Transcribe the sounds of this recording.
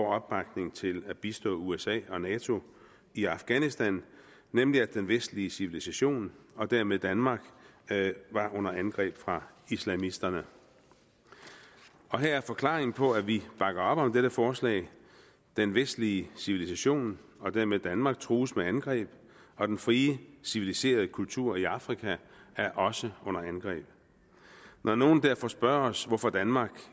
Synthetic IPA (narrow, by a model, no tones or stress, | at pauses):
ɒ̰ɒ̽b̥̚b̥ɑ̈ɡ̥ne̝ŋt͡sʰe̝læb̥isd̥ɔ̰ːuesɛ̰ːɒ̽nɛːt͡sʰo̝ | iɑ̈fɡ̥ænisd̥ænː | emliæd̥enʋesd̥liəsiʋilisæɕo̝̰ːnɒ̽d̥æɐmeð̞ˠd̥ænmɑ̈ːɡ̥ | ʋɑ̈ʔɔ̽n̰ɐænɡ̥ʁɛ̰ːb̥fʁɑ̈islæmisd̥ɐnə | ɒ̽ɦeɐæɐfɒ̽kʰlɑ̰̈ːeŋn̩pʰɒ̽æʋib̥ɑ̈ɡ̥ɐɒ̽b̥ɒ̽md̥eɾ̥əfɒːslɛ̰ːɪ | d̥enʋesd̥liəsiʋilisæɕo̝̰ːn | ɒ̽d̥æɐ̰meðˠd̥ænmɑ̈ːɡ̥̚t͡sʰʁuːsmeænɡ̥ʁɛ̰ːb̥ | ɒ̽d̥enfʁiːəsiʋilise̝̰ːɐðˠəkʰult͡sʰuɐ̰iɑ̈fʁikʰææɐʔɒ̽səɔ̽n̰ɐænɡ̥ʁɛ̰ːb̥ | nʔɒno̝ːn̩d̥æɐfɒ̽sb̥ɶɐɒ̽sʋɒfɒ̽d̥ænmɑ̈ːɡ̥